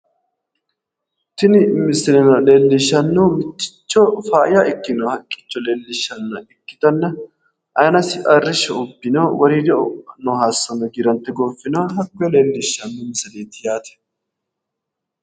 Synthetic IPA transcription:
t̪ɪnɪmɪsɪlɛnɐleːlːɪʃːɐnːumɪt̪ːɪ̥t͡ʃːɔfaːjaɪkːɪnoːhɐkʼːɪ̥t͡ʃːɔleːlːɪʃːɐnːɐɪkːɪ̥t̪ɐnːɐ | ʔɐjnɐsɪʔʼɐrːɪʃːɛʊbːɪnoːwɐɾiːd̪ɛnɔɦaːsːɐnɐɡɪɾɐnt̪ːɛɡoːfːɪnoːɦɐkːɔjɛleːlːɪʃːɐnːʊmɪsɐdeːt̪ɪjaːt̪ɛ̥

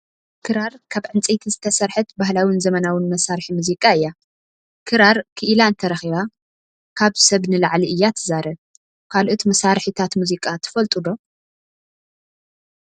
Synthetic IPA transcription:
kʰɨɾaɾkʰaβʕɨnt͡sʼit̪ʰizɨt̪ʰɐsɐɾħɨt̪bahlawinzɐmɐnawɨnmɐsaɾħimuzikʼaɨjːa | kʰɨɾaɾkʰɨʔɨlaɨnt̪ʰɐɾɐxiβa | kʰaβsɐβnɨlaʕliʔɨjːat̪ʰɨzaɾɐβ | kʰalʔot̪mɐsaɾħit̪ʰat̪muzikʼat̪ʰɨ̥fɐlt̪ʼud̪o̞

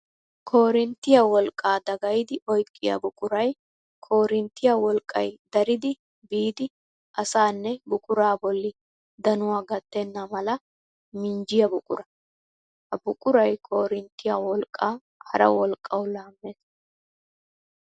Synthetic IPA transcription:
kʰoːɾɪnt̪ːɪjawɔlkʼːaːd̪ɐɡɐjd̪ɪʔɔjkʼːɪjɐ̰bʊkʼʊɾɐj | kʰo̞ːɾɪnt̪ːɪjawɔlkʼːɐ̰jd̪ɐɾɪd̪ɪ | biːd̪ɪ | ʔɐsaːnːɛbʊkʼʊɾaːbɔlːɪ | d̪ɐnʊwaːɡɐt̪ːɛnːɐmɐlɐ | mɪnd͡ʒɪjɐbʊkʼʊɾɐ | hɐbʊkʼʊɾɐjkʰo̞ːɾɪnt̪ːɪjawɔlkʼːaː | hɐ̰ɾɐ̰wɔlkʼːɐwlaːmːeːs

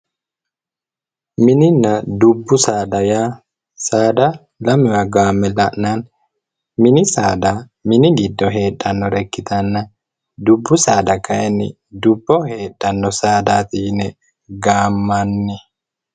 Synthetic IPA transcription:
mɪnɪnːɐd̪ʊbːʊsaːd̪ɐjaː | saːd̪ɐ | lɐmʊwɐɡaːmːɛlɐʔnaːn | mɪnɪsaːd̪a | mɪnɪɡɪd̪ːɔɦe̞ːᶑːɐnːɔɾɛkːɪt̪ɐnːɐ | d̪ʊbːʊsaːd̪ɐkɐjɛnːɪ̰ | d̪ʊbːɔhe̞ːɗːɐnːɔsaːd̪aːt̪inɛ | ɡaːmːɐnːɛ

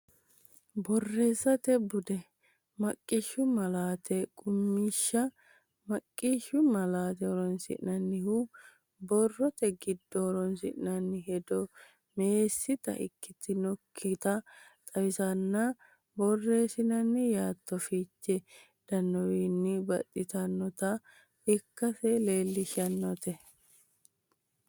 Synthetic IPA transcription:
bɔrːe̞ːsːɐt̪ɛbʊd̪ɛ | mɐkʼːɪʃːʊmɐlaːt̪ɛkʼʊmːiːʃːɐ | mɐkʼːiʃʊmɐlaːt̪ɛɔɾɔnsɪ̰ʔnɐnːɪhu | bɔrːɔt̪ɛɡɪd̪ːɔɔɾɔnsɪ̰ʔnɐnːɪɦɛd̪ɔ | me̞ːsːɪt̪ɐ̰ɪ̰kːɪt̪ːɪnɔkʰːɪt̪ɐt̪ʼɐwɪsɐnːɐ | bɔrːe̞ːsɪnɐnːɪjaːt̪ːɔfiːt͡ʃːɛ | d̪̥ɐnːɔwiːnːɪbɐ̰t̪ʼːɪt̪ɐnːɔt̪ɐ | ɪkːɐsɛle̞ːlːɪʃɐnːɔt̪ɛ

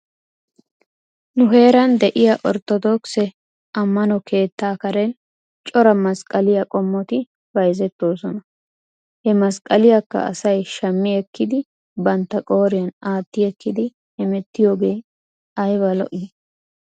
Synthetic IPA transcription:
nʊɦe̞ːɾɐnd̪ɛʔɪjɐʔɔɾt̪ːɔd̪oːksɛ | ɐmːɐnɔkʰe̞ːt̪ːaːkɐɾɛn | t͡ʃʼɔɾɐmɐskʼɐlɪjɐkʼɔmːɔt̪ɪ | bɐjzɛt̪ːo̞ːsɔnɐ | hɛmɐskʼɐlɪjɐkːɐ̰ɐ̰sɐjʃɐmːɪɛkːɪd̪ɪ | bɐnt̪ːɐkʼo̞ːɾɪjɐnaːt̪ːɪɛkːɪd̪ɪ | ɛmɛt̪ːɪjo̞ːɡe̞ː | ɐjbɐlɔ̰ʔɪ

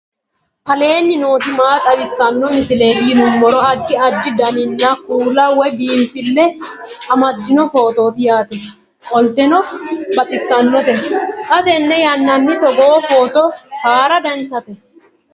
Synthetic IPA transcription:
kɐle̞ːnːɪnoːt̪ɪmaːt̪ʼɐbɪsːɐnːɔmɪsɪleːbiːnʊmːɔɾɔɐd̪ːɪɐd̪ːɪd̪ɐnɪnːɐkuːlɐwɔbiːmpːɪlːɛɐmɐd̪ːɪnɔfo̞ːt̪o̞ːt̪ɪjaːt̪ɛ | kʼɔlt̪ɛnɔbɐt̪ɪsːɐnːɔt̪ɛkʼɐd̪ɛnːɛjɐnːɐnːɪt̪ɔɡofo̞ːt̪ɔhaːɾɐd̪ɛnt͡sːɐt̪ɛ

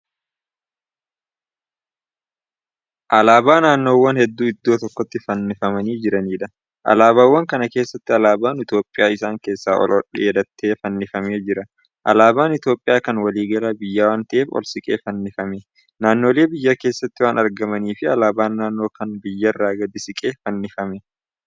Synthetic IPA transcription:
ʔɐlaːbaːnaːnːo̞ːwːɐnhɛd̪ːuːɪd̪ːoːt̪ɔkːɔt̪ːɪfɐnːɪfɐmɐniːd͡ʒɪɾɐniːᶑɐ | ʔɐ̰laːβaːwːɐŋkɐnɐke̞ːsːɐt̪ːɪɐlaːbaːnɪt̪jo̞ːpʼːɪjaːɪsaːŋke̞ːsːaːɔ̰lɔ̰ᶑɛ̰jɛd̪ɐt̪ʰːeːfɐnːɪfɐmeːd͡ʒɪɾɐ | ʔɐ̰laːbaːnɪt̪jo̞ːpʼːɪjaːkɐnwɐliːɡɐlaːbɪjːaːwaːnt̪ɐʔeːfɔ̰lsɪkʼe̞̰ːfɐnːɪfɐme | naːnːoːle̞ːbɪjːakeːsːɐt̪ːɪwaːnɐɾɡɐmɐniːfɪɐlaːbaːnːaːnːo̞ːkɐnbɪjːɐrːaːɡɐd̪ɪsɪkʼeːfɐnːɪfɐmɛ

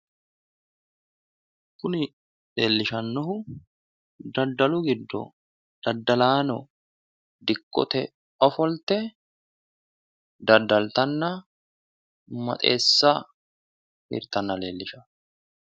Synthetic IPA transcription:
kʊnɪ | le̞ːlːɪʃɐnːɔhʊ | d̪ɐd̪ːɐlʊɡɪd̪ːɔ̰ | d̪̥ɐd̪ːɐlaːnɔ | d̪ɪkʼːɔ̰t̪ɛ | ɔfɔlt̪ɛ | d̪ɐd̪ːɐlt̪ɐnːɐ | mɐ̰t̪ʼḛːsːɐ | hɪ̰ɾt̪ɐnːɐle̞ːlːɪʃɐ

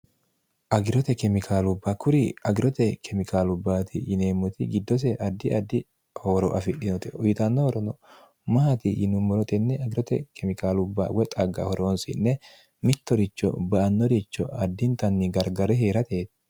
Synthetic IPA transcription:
ʔɐɡɪɾɔt̪ɛkɛmɪkʰaːlʊbːɐkʊɾɪɐɡɪɾɔt̪ɛkʰɛmɪkaːlʊbːaːt̪ɪjɪneːmːʊt̪ɪɡɪd̪ːɔs̬ɛʔɐd̪ːɪʔɐd̪ːɪ | hoɾɔ̰ʔɐfɪɗɪnɔt̪ɛʊjɪt̪ɐnːɔhɔɾɔnɔ | mɐat̪ɪjɪnʊmːɔɾɔt̪ʼɛnːɛɐɡɪɾɔt̪ɛ̰kɛmɪkaːlʊbːa̰wɛt̪ʼɐɡɐ̰hɔɾʔoːnsɪ̰nːɛ | mɪt̪ːɔɾɪt͡ʃːɔ̰bɐʔɐnːɔɾɪt͡ʃːɔ̰ɐd̪ːɪnt̪ɐnːɪɡɐɾɡɐɾɛɦe̞ːɾɐt̪e̞ːt̪

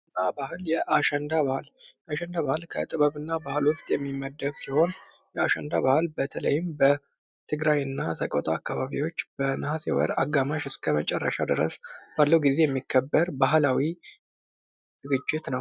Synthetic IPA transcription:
nabahljɛʔaʃɛnd̪aβahljɛʔaʃɛnd̪aβahɨlkʰə̰t̪ʼɨβəβɨnːabahɨlwʊst̪ʼjɛmːimːəd̪ːəβsiho̞n | jɛaʃɛ̰nd̪a̰βahɨlbət̪ʰələ̰jɪmbə | t̪ʰɨɡɾajɨnːasʰəkʼot̪ʼaːkːaβaβiwo̞t͡ʃːbənɨhasewɔ̰ɾaɡːamaʃɨskʰəmət͡ʃʼɛrːə̰ʃad̪ɨɾə̰sb̥alːəwɡize̞jɛmːikʰːəbːəɾbaɦlawi | z̥ɨɡɨd͡ʒːɪt̪nəw

